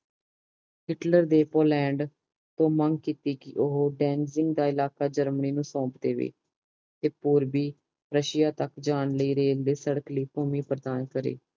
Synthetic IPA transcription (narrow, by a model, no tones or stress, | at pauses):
ɦɪʈləɾd̪eːpoːlɛ̃ːɳɖ | t̪õːməŋɡkiːt̪iːkɪʔʊɦoːɖɛːnsɪŋɡd̪aːɪlaːkaːd͡ʒəɾməniːnũːsɔ̃ːpd̪eːʋḛː | t̪eːpʊːɾbiː | ɾəʃɪjaːt̪əkd͡ʒaːnləiːɾeːld̪eːsəɽəkliːpoːmiːpɾəd̪aːnkəɾḛː